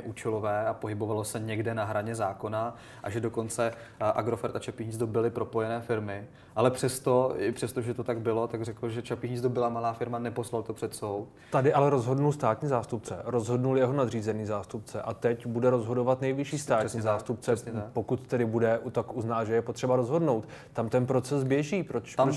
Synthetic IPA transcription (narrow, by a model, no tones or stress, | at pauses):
ɛʔuːt͡ʃɛlovɛːapoɦɪbovalo̞sɛɲɛɡdɛnaɦɾaɲɛzaːko̞na | ʔaʒɛdo̞ko̞nt͡sɛ | ʔa̰ɡɾofɛɾt̪at͡ʃapiːɦɲit͡sd̪obɪlɪpɾo̞pojɛnɛːfɪɾmɪ | ʔalɛpr̥ɛst̪o̞ɪpr̥ɛst̪oʒɛt̪ot̪aɡbɪlo̞t̪aɡrɛkl̩ʒɛt͡ʃapiːɦɲit͡sd̪obɪlamalaːfɪɾmanɛposlalt̪opr̥ɛt̪sowt̪t̪adɪʔalɛɾo̞zɦo̞dnulst̪aːt̪ɲiːzaːst̪up̚t͡sɛ̰ɾo̞zɦo̞dnuljɛɦo̞nad̪riːzɛniːzaːst̪up̚t͡sɛ̰ʔat̪ɛcbudɛɾo̞zɦo̞do̞vat̪nɛjvɪʃiːst̪aːtɲiːzaːst̪up̚t͡sɛpo̞kut̪ːɛdɪbudɛut̪akʔuznaːʒɛjɛpo̞t̪r̝̥ɛbaɾo̞zɦo̞dno̞wt̪ | t̪amt̪ɛnpɾo̞t͡sɛsbjɛʒiːpɾot̪a